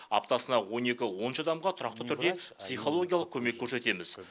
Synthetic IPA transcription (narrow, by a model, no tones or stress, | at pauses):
ɑ̰pt̪ɑsənɑwo̞ne̞kʲɪwo̞nʃɑd̪ɑmʁɑt̪ʰʊɾɑq̚t̪ət̪ʰʏɾd̪e̞psijχo̞lˠo̞ɡʲijɑlˠəqkʲʰɵme̞kʲʰːɵɾse̞t̪e̞mɪz̥